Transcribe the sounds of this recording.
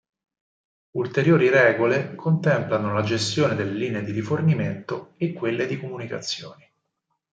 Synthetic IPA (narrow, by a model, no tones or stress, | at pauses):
ult̪eɾjoːɾiɾɛːɡolekʰont̪ɛmplanolad͡ʒest̪joːned̪elːeliːneed̪iɾiforniment̪oekːwelːed̪ikomunika̰t̪sːjoːni